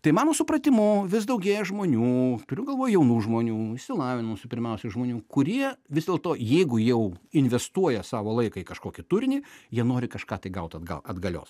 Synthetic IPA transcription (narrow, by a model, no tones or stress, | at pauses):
t̪ɐɪmɑːnoːsʊpɾɐt̪ʲɪmʊʋʲɪsd̪ɐʊɡʲeːjɛʒmoːnʲuːt̪ʊɾʲʊɡɐlˠʋoːjʊjɛʊnuːʒmoːnʲuːɪʃʲsʲɪlˠɑːʋʲɪnʊsʲɪpʲɪɾʲmʲɛʊsʲɛɪʒmoːnʲuːkʊɾʲiɛʋʲɪzd̪ʲeːlˠt̪oːjɛɪɡʊjɛʊɪnʲʋʲɛst̪uɔjɛsɑːʋoːlˠɐɪkɐikɐʃkoːkʲɪt̪ʊɾʲnʲijiɛnoːɾʲɪkɐʃkɑːt̪ɐɪɡɐʊt̪ɐd̪ɡɐ̰lˠɐd̪ɡɐlʲo̰ːs